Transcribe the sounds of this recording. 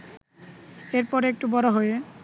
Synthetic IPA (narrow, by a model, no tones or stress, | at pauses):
eɹpɔɹek̚ʈubɔɾaɦoje